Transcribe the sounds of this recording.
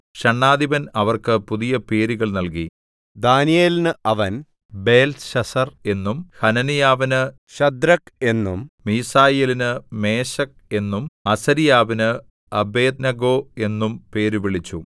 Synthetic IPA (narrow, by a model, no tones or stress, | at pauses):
ɕɐɳːaːd̪ibɐnɐʋɐrkɨpuðijɐpe̞ːɾuɣɐɭnɐlki | d̪aːnijeːlnɨʔɐʋɐn | be̞ːlsɕɐsɐre̞nːumhɐnɐnijaːʋinɨ | ɕɐd̪ɾɐke̞nːummiːsaːjelinɨme̞ːɕɐk̚ | e̞nːumɐsɐɾijaːʋinɨ | ɐbe̞ːd̪nɐɡo̞ːe̞nːumpe̞ːɾuʋiɭit͡ɕːu